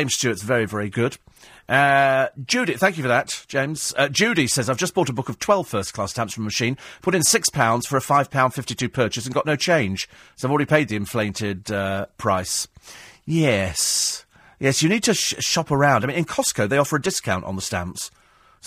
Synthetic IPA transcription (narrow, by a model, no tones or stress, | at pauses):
ɪ̃mz̥stʰʉətsvɛɹivɛɹiɡʊd̥ | ʔʌ̥d͡ʒʉɾɨt̪̚θæ̃ŋkjɨfəðɨtd̥ʒ̥ẽɪ̃mz̥ʌd͡ʒʉɾisɛzaɪvd͡ʒʌsb̥ɔɾəbʊkʌv̥tʰw̥ɛlˠv̥fɜ˞skʰl̥ɑstæ̃msfə̃məmɨʃĩnpʰʊɾɨ̃nsɪkspʰãʊ̃ndz̥fə˞ɨfaɪv̥pʰãʊ̃nd̥fɪftitʰʉpʰɜ˞t͡ʃɨsn̩ɡɑʔnoʊt͡ʃʰẽɪ̃nʒ̥soʊɪvlˠɹɛɾipʰeɪd̪̚ðiɨ̃ɱflẽɪ̃ntʰɪd̚ʌpʰɹ̥aɪs | jɛs | jɛsjɨnid̚tʰɨʃɑpə˞ãʊ̃ndaɪ̃ñɨ̃nkʰɑskoʊðeɪɒfə˞ɨdɪskʰãʊ̃ntn̩ðəstæ̰̃mps